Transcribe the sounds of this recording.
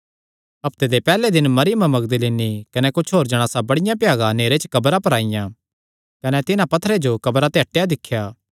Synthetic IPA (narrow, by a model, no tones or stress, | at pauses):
ɐpt̪ed̪epɛːled̪ɪnmɐɾɪjəmãmɐɡd̪əlinikɐnɛkʊt͡ʃʰɦoːɾd͡ʒɐɽ̃aːsabɐɽɪjãpjaːɡãneːɾet͡ʃəkɐbɾapɐɾaːɪjã | kɐnɛt̪ɪnãpɐt̪ʰːəɾed͡ʒokɐbɾat̪eɦɐʈːejad̪ɪkʰːjaː